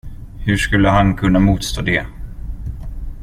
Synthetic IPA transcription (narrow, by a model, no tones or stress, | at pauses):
hɵʂkɵlːəɦankʰɵnːamuːt̪st̪ʰoːd̪ɛ